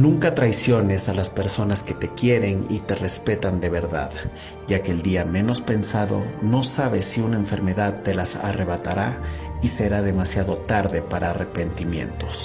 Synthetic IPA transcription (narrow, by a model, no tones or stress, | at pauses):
nũŋkat̪ɾajsjo̞ne̞salaspe̞ɾso̞naske̞t̪e̞kje̞ɾe̞nḭt̪e̞re̞spe̞t̪and̪e̞βe̞ɾða̰ð | ʝakeːld̪iamẽ̞no̞spe̞nsaðo̞̰no̞saβe̞siunaeɱfe̞ɾme̞ðaðt̪e̞lasa̰re̞βat̪aɾaise̞ɾaðe̞masjaðo̞t̪aɾðe̞paɾaːre̞pe̞nt̪imje̞̰nt̪o̞s